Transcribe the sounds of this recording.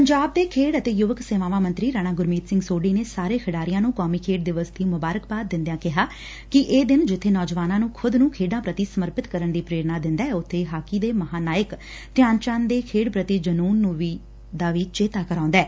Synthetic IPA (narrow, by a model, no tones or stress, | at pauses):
pəɲd͡ʒaːb̚d̪eːkʰeːɽət̪eːjʊʋəkseːʋaːʋãːmə̃nt̪ɾiːɾaːnaːɡʊɾmiːt̪sɪ̃ŋɡsoːɖiːneːsaːɾeːkʰəɖaːɾɪjãːnũːkɔːmiːkʰeːɖd̪ɪʋəst̪ʰiːmʊbaːɾəkbaːt̪̚d̪ɪ̃nd̪jãːkɪɦaː | kɪʔeːd̪ɪnd͡ʒɪt̪ʰːeːnɔːd͡ʒʋaːnãːnũːkʰʊd̪nũːkʰeːɖãːpɾət̪iːsəməɾpɪt̪kəɾəɳd̪iːpɾeːɾnaːd̪ɪ̃nd̪aːɛʊt̪ʰːeːɦaːkiːd̪eːməɦaːnaːjək | t̪ɪjãːnt͡ʃãːnd̪eːkʰeːɽpɾət̪iːd͡ʒənuːnːũːʋiː | d̪aːʋiːt͡ʃeːt̪aːkəɾãːnd̪ɛː